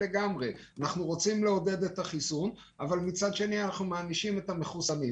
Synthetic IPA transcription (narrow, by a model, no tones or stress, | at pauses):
eɡamʁeanaχnuʁo̞t͡simleo̞de̞d̪et̪aχisun | avalmit͡sad̪ʃe̞nianaχnumaːniʃime̞tame̞χusami